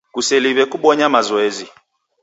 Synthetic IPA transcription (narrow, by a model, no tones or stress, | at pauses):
kusɛliβɛkuɓɔɲamazɔɛzi